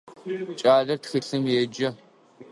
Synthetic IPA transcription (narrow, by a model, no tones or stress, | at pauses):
t͡ʃʼaːɮɐrtxiɬɨmjɛd͡ʒɐ